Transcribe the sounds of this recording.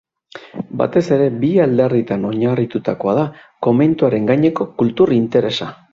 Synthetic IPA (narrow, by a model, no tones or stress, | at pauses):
ba̰t̪e̞se̞ɾe̞biald̪erit̪ano̞ɲarit̪ut̪ako̞að̞ako̞me̞nt̪uaɾe̞ŋɡaɲe̞ko̞kult̪urint̪e̞ɾe̞sa